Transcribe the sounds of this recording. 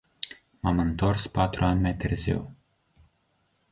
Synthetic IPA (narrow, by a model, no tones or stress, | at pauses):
mamɨnt̪o̞rspat̪ɾuanʲmajt̪ɨrzḭw